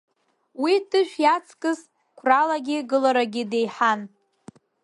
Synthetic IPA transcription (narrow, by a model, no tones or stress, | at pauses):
widɨʒᶣʷjat͡sʰkʼɨz | kʷʰralaɡʲɪɡɨlaɾaɡʲɪdejħan